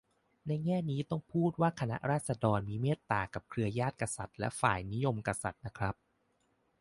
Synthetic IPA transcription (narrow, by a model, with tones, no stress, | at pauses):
na˧jŋɛː˥˩niː˦˥t̪ɔ˥˩ŋpʰuː˥˩t̪̚waː˥˩kʰa˧na̰˦˥ʔɾaː˥˩t̪̚sa˧dɔː˧nmiː˧meː˥˩t̪ːaː˨˩ka˨˩p̚kʰɾɯ˧ɐjaː˥˩t̪̚ka˧sa˨˩t̪̚lɛ̰˦˥faː˨˩jni˦˥jo˧mka˧sa˨˩t̪̚na˦˥kʰɾa˦˥p̚